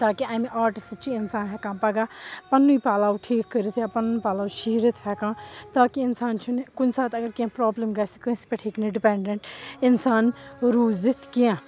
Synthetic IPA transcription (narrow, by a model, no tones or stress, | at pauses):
t̪aːkiaːmʔaːɾʈist͡ʃʰiɪnsaːnɦɛːkãːpɐɡaːpɐnːuipaːlaːwuʈʰiːkːəɾit̪ʰjaːpɐnuipaːlaːwʃiːɾət̪ʰɦɛkãːt̪aːkiɪnsaːnt͡ʃʰunkʊnsaːt̪ɐɡəɾkiãpɾɔːbləmɡɐsi̥kəspɐʈʰiːkniɖɪpɛɳɖəɳʈɪnsaːnɾuːzit̪ʰkiãː